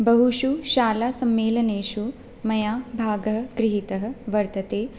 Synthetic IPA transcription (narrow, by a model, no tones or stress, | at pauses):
bɐɦuʃuʃaːlaːsɐmːeːlɐneːʃu | mɐjaːbʱaːɡɐɦɐ̆kɾɪɦit̪ɐɦɐ̆ʋɐɾt̪ɐt̪eː